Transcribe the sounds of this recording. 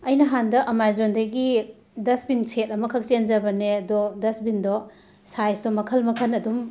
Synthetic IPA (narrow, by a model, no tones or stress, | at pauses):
ɐjnɐɦandɐʔɐmajzondɐɡi | dɐsbinsʰet̚ɐmɐkʰɐk̚t͡ʃend͡ʒɐbɐneɐdɔdɐsbindɔ | sajsdɔmɐkʰɐlmɐkʰɐnɐdum